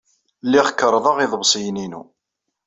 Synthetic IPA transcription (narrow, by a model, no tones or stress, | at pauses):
lːiʁkːəɾˤːðˤɑʁiðˤəbsˤijninṵ